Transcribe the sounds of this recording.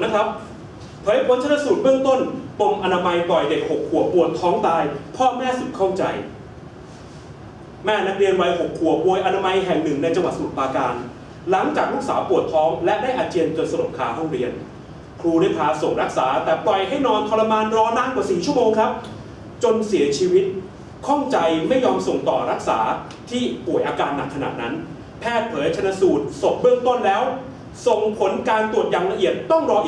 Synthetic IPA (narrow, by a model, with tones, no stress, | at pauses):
na˦˥kʰɾa˦˥p̚ʰ | ɔː˨˦ha˥˩pʰo˨˦nt͡ɕʰa˥na˧su˨˩t̪̚bɯː˥əŋt̪o˥˩npo˧ŋʔa˧naː˧ma˧jplɔ˨˩jde˨˩k̚ho˨˩kʰːu˨˩əpu˨˩ət̪ʰːɔː˦˥ŋt̪aː˧jpʰɔː˥˩mɛː˥˩su˨˩t̪̚kʰa˥˩wt͡ɕa˧j | mɛː˥˩na˦˥k̚ɾi˧ənwa˧jho˨˩kʰːu˨˩əpoː˧jʔa˧naː˧ma˧jɦɛ˨˩ŋnɯ˨˩ŋna˧jt͡ɕa˧ŋwa˨˩t̪̚sa˨u˨˩t̪̚paː˧kaː˧n | la˩˦ŋt͡ɕaː˨˩k̚ɾu˦˥k̚saː˩˦wpu˨˩ət̪ʰɔː˦˥ŋlɛ˦˥ʔdaː˥˩jʔaː˧t͡ɕi˧ənkɤː˨˩t̪sa˧do˨˩p̚kʰaː˨˩˦ɦɔ˥˩ŋɾi˧ən | kʰɾuː˧ɾa˥˩jpʰaː˧˥so˨˩ŋɾa˦˥k̚sa̰ː˩˦t̪ɛː˨˩plɔ˨˩jɦa˥˩jnɔː˧nt̪ʰɔ˧la˧maː˧nɾɔː˧naː˥˩ŋkwaː˨˩siː˨˩t͡ɕʰu˥˩əmoː˧ŋkʰɾa˦˥p̚ | t͡ɕo˧nsi˩˦ɐt͡ɕʰiː˧wi˦˥t̪̚ | kʰɔ˥˩ŋt͡ɕa˧jma˥˩jːɔː˧mso˨˩ŋt̪ɔː˨˩ɾa˦˥k̚sa̰ː˩˦ | t̪ʰiː˥˩pu˨˩əjʔaː˧kaː˧nːa̰˨˩kʰːa˧na̰˨˩t̪̚na˦˥n | pʰɛː˥˩t̪̚pʰɤː˩˦jt͡ɕʰa˧nːa˧suː˨˩t̪̚so˨˩p̚bɯ˥˩əŋt̪o˥˩nlɛː˦˥w | so˨˩ŋpʰo˩˦nkaː˧nt̪u˨˩ət̪̚jaː˨˩ŋla˧ʔi˨˩ət̪̚ːɔ˥˩ŋɾɔː˧ʔi˨